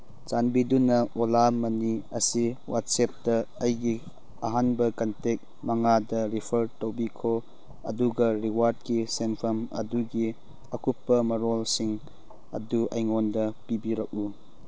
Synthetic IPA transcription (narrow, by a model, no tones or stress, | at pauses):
t͡ʃanbidunɐʔolamːɐniɐsiwa̰t̚sep̚dɐɐjɡi | ɐɦanbɐkɐntek̚ | mɐŋadɐɾipʰɐɾtowbikʰo | ɐ̰duɡɐɾiwaɾd̚kisenpʰɐmɐ̰duɡi | ɐkupːɐmɐɾolsiŋ | ɐ̰duʔɐ̰jŋondɐpibiɾɐk̚u